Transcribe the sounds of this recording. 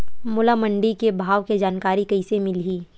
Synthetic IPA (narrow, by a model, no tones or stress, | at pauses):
mʊlaməɳɖikebʱaːʋked͡ʒaːnkaːɾikɐɪsemɪlɦiː